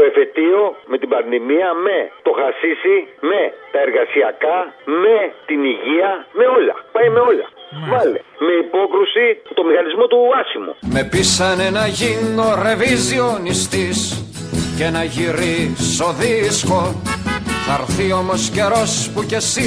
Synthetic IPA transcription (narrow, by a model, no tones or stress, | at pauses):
oe̞fe̞t̪io̞me̞t̪ibɐnðimiɐme̞t̪o̞xɐsisime̞t̪ɐe̞ɾɣɐsiɐkɐme̞t̪iniʝiɐme̞o̞lɐ̰pɐjme̞o̞ʎɐ̰vɐlḛme̞ipo̞kɾusit̪o̞mixɐnizmo̞t̪uɐsimo̰me̞pisɐne̞nɐʝino̞ɾe̞vizio̞nist̪is | ce̞nɐʝiɾiso̞ðisko̞ | θɐɾθio̞mo̞sce̞ɾo̞spuce̞si